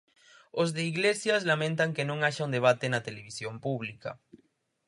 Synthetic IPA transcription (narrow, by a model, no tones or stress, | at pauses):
ozðeiɣlesjaslamẽnt̪aŋkenõŋaʃaund̪eβat̪enat̪eleβisjompuβlika̰